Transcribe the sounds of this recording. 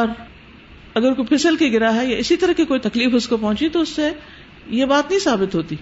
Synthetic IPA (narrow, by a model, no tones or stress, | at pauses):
ɔːɾ | ɐɡəɾkoipʰɪsəlkiɡɪɾaɦɛjaʔɪsit̪ɐɾəɦkikoːit̪ɐkliːfʊskopɐ̃ɦʊ̃t͡ʃit̪oʊsːe | jebaːt̪nɐɦĩsaːbɪt̪ɦoːt̪iː